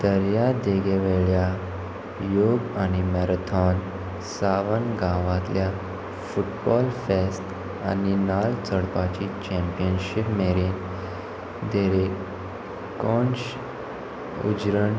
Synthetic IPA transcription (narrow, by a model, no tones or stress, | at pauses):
d̪əɾjad̪eɡeʋeɭja | joɡanimɛɾət̪ʰɔn | saʋənɡãʋãt̪lja | fuʈbɔlfest | aninalt͡səɽpat͡ɕit͡ɕɛ̃mpijənɕipmeɾin | d̪eɾe | kɔɳɕ | ṵd͡ʑɾəɳ